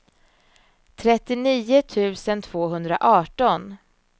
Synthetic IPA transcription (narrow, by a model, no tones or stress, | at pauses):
t̪ʰɾɛt̪ːɪniːʊt̪ʰʉ̟ːsənt̪ʰv̥oːɦɵnd̪ɾa̰ʔɑːʈɔn